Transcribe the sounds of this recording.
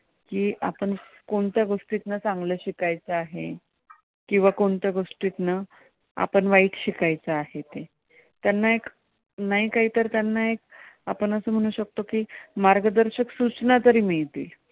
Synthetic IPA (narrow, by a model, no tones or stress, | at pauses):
kiːʔa̰pəɳkoɳt̪jaɡoʂʈit̪nat͡saŋɡləːɕikajt͡saːɦe | kĩw̃ʋakoɳt̪jaɡoʂʈit̪na | a̰pəɳʋaiːʈʰɕikajt͡saːɦet̪e | t̪janːaek | naɦiːkaɦiːt̪əɾt̪janːaek̚apəɳəsəːm̤əɽ̃ũːɕək̚t̪okiːmaɾɡəd̪əɾɕəksut͡snat̪əɾiːmiɭt̪iːl